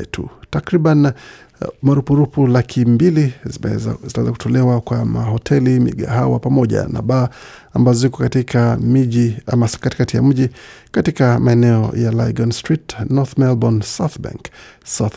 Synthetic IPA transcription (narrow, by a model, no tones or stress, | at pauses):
tʰṵtakɾiɓan | maɾupuɾupulakʰimbili | zitawɛzaku̥tʰɔlɛwakwamaɦɔtʰɛlimḭɠa̰ɦawa̰pamɔʄa̰na̰ɓaːambazɔzikɔkatikʰamiʄiamasḁkatikatija̰m̩ʄikatikamaɛnɛɔ̰jalaiɡɔnstɾitnɔɾθmɛlbɔnsawθba̰ŋksaθ